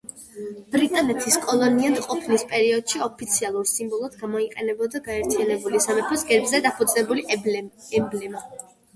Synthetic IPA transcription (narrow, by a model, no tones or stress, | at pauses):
b̥ɾit̪ʼanɛt̪ʰiskʼɔlˠɔniant̪ʼqʼɔpʰnispʼɛɾiɔd̪̥ʃiɔpʰit̪sʰialˠuɾsimbɔlˠɔd̪ɡamɔiqʼɛnɛbɔd̪aɡaɛɾt̪ʰianɛbulisamɛpʰɔsɡɛɾbzɛd̪apʰud̪znɛbuliɛblɛm